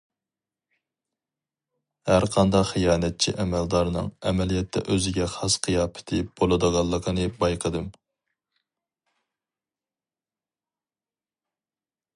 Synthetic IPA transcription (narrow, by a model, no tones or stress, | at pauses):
hæɾqʰɑnd̪ɑqχijɑːnɛt̪̚t͡ʃʰḭʔɛmɛld̪ɑɾnɨ̰ŋɛmɛlijɛt̪ʰːɛ̰ʔøzɪɡʲɛχɑsqʰijɑːpʰɪ̥t̪ʰɪb̥olˠɨd̪əʁɑlˠːəqʰənɨbɑjqʰəd̪ɨm